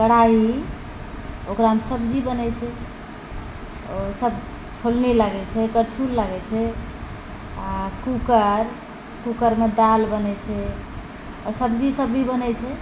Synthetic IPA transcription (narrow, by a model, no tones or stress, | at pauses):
ɡəɽaɦi | okɾaɦəmsəbd͡ʒibənɛt͡ʃʰɛ | osəb̚ | t͡ʃʰolneləɡɛt͡ʃʰɛkəɾt͡ʃʰulləɡɛt͡ʃʰɛ | akukəɾ | kukəɾmed̪albənɛt͡ʃʰɛ | ɔ̰ɾsəbd͡ʒisəbːibənɛt͡ʃʰɛ